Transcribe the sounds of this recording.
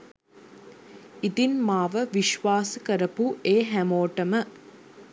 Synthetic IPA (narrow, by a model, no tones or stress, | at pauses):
id̪inmaːʋəʋiʃʋaːsəkəɾəpueːɦæmoːʈəmə